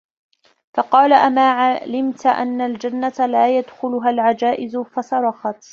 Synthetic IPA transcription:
fɑqɑːlaʔamaːʕalɪmt̪ʔa̰nːald͡ʒanːat̪alaːjad̪xʊlʊɦalʕad͡ʒaːʔɪzʊfɑsɑɾˤɑxɑt̪

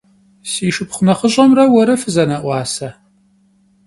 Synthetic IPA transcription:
siːʂɨpχʷʊnɐχəɕʼɐmrɐwɐɾɐfɨzɐnɐʔʷɑːsɐ

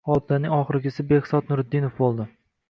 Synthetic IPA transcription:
ɒb̪̚anɪŋɒχɨɾɪɡʲɪsɪbehsɒt̪̚nʊɾɪd̪ːɪnofbolˠd̪ɪ

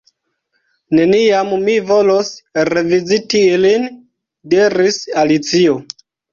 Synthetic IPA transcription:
ne̞niammivo̞losɾe̞vizitiilin | diɾisalit͡sio

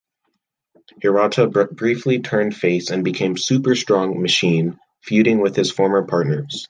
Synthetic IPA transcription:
əɹɑtʰəb̥ɹiflitʰɜ̃˞nd̥feɪsɨ̃nbɨkʰẽɪ̃msʉpə˞stɹ̥ɔ̃ŋmɨʃĩn | fjʉɾɪ̃ŋwɪð̥ɨz̥fɔɹmə˞pʰɑɹtⁿnə˞z̥

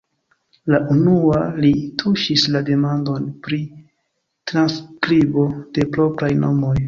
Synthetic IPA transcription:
laʔunualitʰuʃislade̞mando̞npɾi | tɾanskɾibo̞d̥e̞pɾo̞pɾajno̞mo̞j

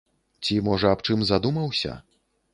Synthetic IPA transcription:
t͡sʲimɔʐɐːpt͡ʂɨmzad̪umɐwsʲɐ̰

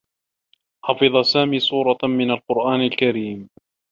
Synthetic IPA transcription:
ħɑfɨðˤɑsaːmiːsˤuːɾˤɑmɪnalqʊɾʔaːnalkaɾiːm

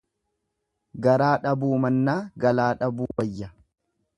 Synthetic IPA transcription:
ɡɐɾaːᶑɐbuːmɐnːaːɡɐlaːᶑɐbuːwɐjːɐ

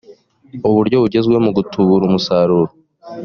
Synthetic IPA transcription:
uβuɾɟo̞βuɟe̞zɡwe̞muɡutʰuβuɾumusaːɾuɾo

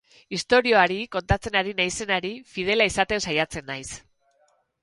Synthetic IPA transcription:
ist̪o̞ɾio̞aɾiko̞nt̪at͡se̞naɾinajse̞naɾifið̞e̞laisat̪e̞nsajat͡se̞nːajs

